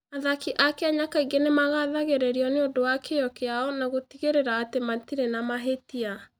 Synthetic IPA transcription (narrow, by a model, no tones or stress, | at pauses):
aðakiʔakɛaɲakaiɡenemaɣaðaɣeɾeɾiɔneodowakejɔkeaɔnaɣotiɣeɾeɾaːtematiɾenamaɦetia